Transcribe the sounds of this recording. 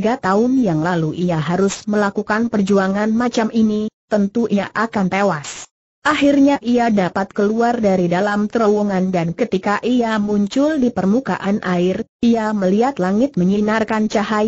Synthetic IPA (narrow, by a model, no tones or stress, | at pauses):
ɡat̪aʊnjaŋlaluʔiaɦaɾʊsməlakukanpərd͡ʒuaŋanmat͡ʃaminit̪ənt̪uʔiʔakant̪ewas | ʔahirɲaʔiadapat̪̚kəluardaɾidalamt̪əɾowuŋandankət̪ikaʔiamuɲt͡ʃʊldipərmukaʔanʔaɪriaməliat̪laŋɪt̪̚məɲinarkant͡ʃaha